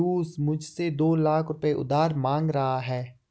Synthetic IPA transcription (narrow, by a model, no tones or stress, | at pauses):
uːsmʊd͡ʒʱsed̪oːlaːkʰɾʊpeʔʊ̰d̪aːɾmãːŋɡɾɐɦaɦɛː